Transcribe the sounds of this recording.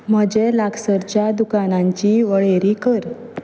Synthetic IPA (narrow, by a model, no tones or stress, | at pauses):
m̤əd͡ʑelaɡsəɾt͡ɕjad̪ukanãɲt͡ɕiːʋəɭeɾiːkəɾ